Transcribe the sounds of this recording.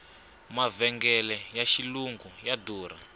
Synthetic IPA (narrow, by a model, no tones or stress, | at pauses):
mavɛŋɡɛlɛjaʃiluŋɡujaduːɾa